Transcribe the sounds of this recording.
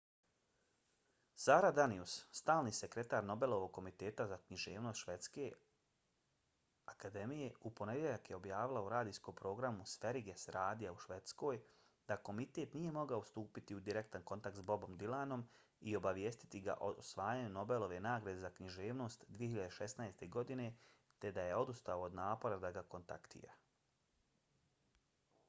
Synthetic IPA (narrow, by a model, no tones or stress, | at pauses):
saːɾad̪aniusːt̪aːlˠniːse̞kɾe̞t̪aːɾno̞be̞lˠo̞ʋo̞ɡ̚ko̞mit̪eːt̪azakɲiʒe̞ːʋnoːst̪ʃʋe̞t̪ske̞ | akad̪e̞mije̞upo̞ne̞d̪jeʎakjeo̞bjaːʋilˠauɾaːd̪ijsko̞ːmpɾo̞ːɡɾamusfe̞ɾiɡe̞sɾʔaːd̪ijauʃʋe̞t̪sko̞ːj | d̪̥ako̞mit̪e̞ːt̪nije̞mo̞ɡaust̪uːpit̪iud̪iɾe̞k̚t̪anko̞nt̪ak̚t̪zbo̞bo̞md̪ilaːno̞m | io̞baʋjeːst̪i̥t̪iɡa̰ʔosʋaːjaɲuno̞be̞lˠo̞ʋe̞naːɡɾad̪ezakɲiʒe̞ːʋno̞ːst̪d̪ʋije̞çiʎad̪e̞ʃe̞snajst̪e̞ɡo̞d̪ine̞ | t̪e̞d̪aje̞o̞d̪ust̪aoːd̪naːpo̞ɾad̪aɡako̞nt̪a̰kt̪ʰḭːɾa